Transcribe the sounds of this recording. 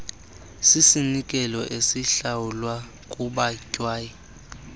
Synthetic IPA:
sisinikʼɛlɔʔesiɬawulwa | kʼuɓacʼwaːji

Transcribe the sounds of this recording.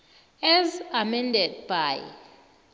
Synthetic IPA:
ɛzamɛndɛd̚b̥aj

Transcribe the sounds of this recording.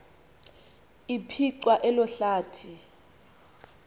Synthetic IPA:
ipʰiǀwaʔɛlɔɬaːtʰi

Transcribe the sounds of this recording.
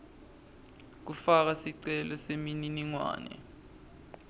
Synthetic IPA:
k̬ufak̬asiǀɛlɔsemininiŋwa̰ːnɛ̰

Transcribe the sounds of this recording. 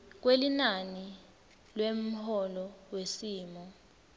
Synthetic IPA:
k̬welinani | lwem̩hɔlɔwesiːmɔ

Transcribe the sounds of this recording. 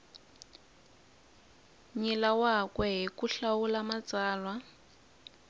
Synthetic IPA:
ɲilawakwɛɦikuɬawulamat͡saːlwa

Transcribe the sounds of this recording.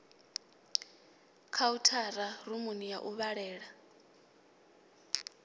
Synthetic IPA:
kʰautʰaɾarumunijaʔuβaɺɛːɺa

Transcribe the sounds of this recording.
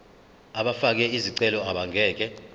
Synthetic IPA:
aɓafak̬ɛiziǀɛlɔaɓaŋʱɛːk̬ɛ

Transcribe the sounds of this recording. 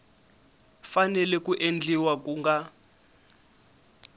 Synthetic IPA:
fanɛlɛkuʔend͡ɮiwakuŋɡa

